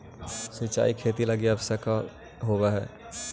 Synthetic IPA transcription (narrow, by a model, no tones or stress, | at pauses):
sɪt͡ʃa̰ːikʰeːt̪ilɐɡiɐbsəka | ɦoːɡaɦɛ̰ː